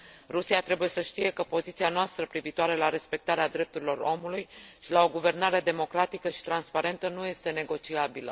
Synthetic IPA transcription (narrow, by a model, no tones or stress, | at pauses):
rusiat̪ɾe̞buje̞səʃt̪ije̞kəpo̞zit̪sianoast̪ɾəpɾiviːt̪oaɾe̞laɾe̞spe̞k̚t̪aɾead̪ɾe̞p̚t̪uɾilo̞ro̞mulujʃilao̞ɡuve̞rnaɾe̞d̪e̞mo̞kɾat̪ikəʃi̥t̪ɾanspaɾe̞nt̪ənuje̞st̪e̞ne̞ɡo̞t͡ʃiabilə̰